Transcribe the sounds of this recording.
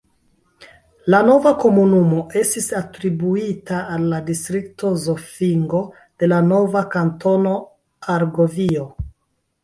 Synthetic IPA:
lano̞vako̞munumo̞ʔe̞stisatɾibuitaːlːadistɾikto̞zofiŋɡo̞ | d̥e̞lano̞vakanto̞no̞ | aɾɡo̞vio

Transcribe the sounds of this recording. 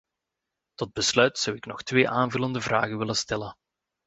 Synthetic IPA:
tɔd̚bəslœɥtsɑwɪknɔxtʋeːʔaːnvɵləndəvraːɣənʋɪlənstɛlən

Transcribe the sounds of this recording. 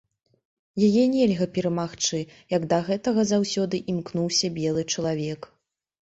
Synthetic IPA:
jajɛnʲɛlʲɣɐpʲɛɾɐmaxt͡ʂɨjɐɡd̪ɐɣɛt̪ɐɣɐzawsʲɔd̪ɨʔimknuwsʲɐbʲɛlˠɨt͡ʂɐlˠavʲɛk

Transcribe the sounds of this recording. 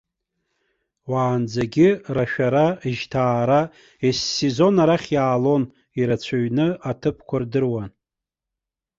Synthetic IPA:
waːnd͡zaɡʲɪraʃᶣaɾaʒtʰaːɾa | esːezo̞naɾaχʲjaːlo̞n | iɾat͡ɕʷʰaɥnɨatʰɨpʰkʷʰardɨrwan

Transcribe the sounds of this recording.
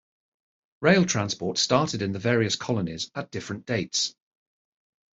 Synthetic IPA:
ɹeɪlˠtʰɹ̥ãnspɔˑtstɑˑtɪdɪ̃nðəvɛːɹiəskʰɒlənɪzəʔd̥ɪfɹə̃nd̥eɪts

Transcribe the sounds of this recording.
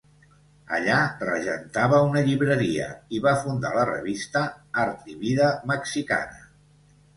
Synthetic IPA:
ə̰ʎarəʒənt̪aβəunəʎiβɾəɾiə̰iβafund̪a̰lərə̰βist̪əaɾt̪iβiðəməksika̰nə

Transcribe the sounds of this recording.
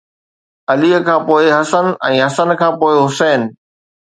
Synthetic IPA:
ɐliːəkʰãːpoːɪɦɐsənɛ̃ːɦɐsənkʰãːpoːɪɦʊsɛːnɪ̆

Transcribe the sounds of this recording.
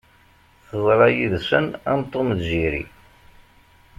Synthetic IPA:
θəzˤɾˤɑjiðsənamt̪ˤːomðʒiɾḭ

